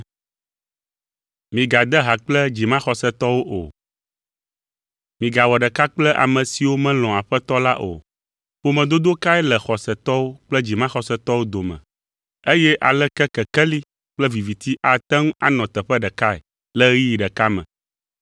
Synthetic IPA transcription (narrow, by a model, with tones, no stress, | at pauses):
mĩ˨ɡa˨d̪ɛ˦ɦa˨k͡plɛ˦d͡ʑi˨mã˦xɔ˨sɛ˦t̪ɔ˦wo˦ʔo̰˨ | mĩ˨ɡa˨wɔ˨ɖə˨ka˦k͡plɛ˦ʔa̰˨mə̃˨si˨wo˦mɛ̃˦l̃ɔ̃˨a˨ɸɛ˦t̪ɔ˦la̰˦ʔo̰˨ | ɸo˦mɛ̃˨d̪o˦d̪o˦ka˦ɛ˦lɛ˨xɔ˨sɛ˨t̪ɔ˦wo˦k͡plɛ˦d͡ʑi˨mã˦xɔ˨sɛ˦t̪ɔ˦wo˦d̪o˨mɛ̰̃˨ | e˦jɛ˦ʔa˨lɛ˦kɛ˦kɛ˨kɛ˦li˦ | k͡plɛ˦vi˨vi˨t̪i˦ʔa˨t̪ɛ˦ŋũ˦a̰˦nɔ̃˨t̪ə˨ɸə˦ɖə˨ka˦ɛ̰˨ | lə˦ɣi˦ji˨ɖə˨ka˦mɛ̰̃˨